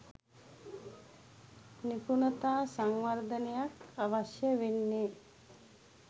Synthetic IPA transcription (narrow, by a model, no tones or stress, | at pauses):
nipunət̪aːsaŋʋəɾd̪ənejakaʋaʃjəʋenːe